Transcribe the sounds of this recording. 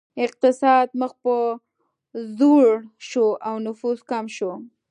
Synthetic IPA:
ɪq̚t̪ɪsɑd̪̚məxpə | zoɽʃoʔawnʊfuzkamʃo

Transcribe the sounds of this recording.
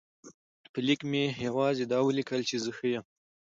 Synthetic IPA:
pəlikmejawɑzed̪ɑwəlikʰəlt͡ʃezəxəjəm

